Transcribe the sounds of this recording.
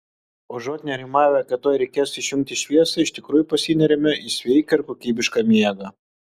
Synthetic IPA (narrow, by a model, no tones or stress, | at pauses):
oːʒoːt̪ʲnʲɛɾʲɪmɑːʋʲɛɐkʲɛt̪oːjɾʲɛɪkʲeːsɪʃʲjʊŋk̚t̪ʲɪʃʲʋʲiɛsɐɪʃt̪ʲɪkɾuːjʊpɐsʲinʲɛɾʲɛmʲɛʔisʲʋʲɛɪkʲɛɪɾkoːkʲiːbʲɪʃkɑmʲiɛɡɐ